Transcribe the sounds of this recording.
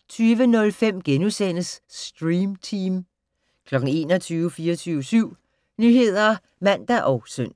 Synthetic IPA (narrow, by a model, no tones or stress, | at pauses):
t͡sʰyːʋənɔ̽lfem̰ɡ̥enusen̰əsd̥ʁiːmt͡sʰiːm | kʰlɒ̽ɡ̥ŋ̩e̝̰ːnɒt͡sʰyːʊəfiːɐt͡sʰyːʊəsyʊ̰ | nyɦe̝ð̞̰ˠɐ | mæn̰d̥æʔɒʊsøn̰